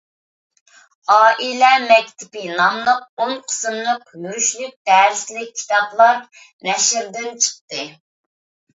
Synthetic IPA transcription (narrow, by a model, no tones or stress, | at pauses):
ɑːʔilɛmɛkʲt̪ʰɪpɪnɑmlˠəq̚oŋqʰə̥sɨmlˠəqmyɾyʃlyk̚ʲd̪æːɾɪslɪk̚ʲʰːi̥t̪ʰɑplˠɑɾ | nɛʃɪɾd̪ɪnt͡ʃʰə̥qt̪ɨ